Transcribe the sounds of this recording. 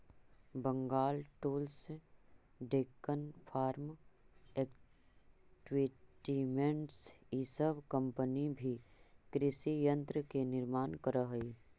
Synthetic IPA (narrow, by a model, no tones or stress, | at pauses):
bə̃ŋɡaːlʈuːls | ɖeːkənpʰaːɾmek | ʈwiʈimẽɳʈsisəbkə̃mpənibʱikɾɪsijə̃nt̪ɾəkenɪɾmaːnkəɾəɦi